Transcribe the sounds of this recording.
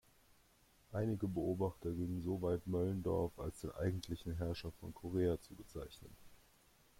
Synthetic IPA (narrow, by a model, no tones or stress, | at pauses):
ʔaɪnɪɡəbəoːbaχtɐɡɪŋənzovaɪtmœləndɔ̰ɐfa̰lsd̥eːnʔa̰ɪɡŋ̩tʰlɪçn̩ɦɛɐʃɐfɔ̰nkʰoʁ̞eːat͡subət͡saɪçnən